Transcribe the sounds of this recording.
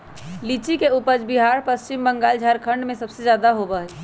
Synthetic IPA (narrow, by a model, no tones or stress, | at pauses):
liːt͡ʃikeupəd͡ʒbiɦaːɾpəst͡ʃɪmbə̃ŋɡaːld͡ʒʱaːɾkʰə̃ɳɖmẽsɐbsed͡ʒjaːd̪aɦobəɦɛ